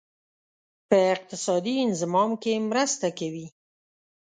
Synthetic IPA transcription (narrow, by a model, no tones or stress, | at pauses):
pəɪq̚t̪ɪsɑd̪iɪnzɪmɑmkemɾəst̪akawi